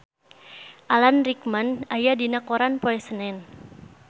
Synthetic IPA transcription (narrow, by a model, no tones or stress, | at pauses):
ʔalanrikmanajadinakoɾanpɔɛsənɛn